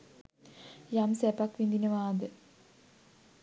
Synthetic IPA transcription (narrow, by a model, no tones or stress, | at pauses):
jamsepɐkʋind̪inɐʋaːd̪ɨ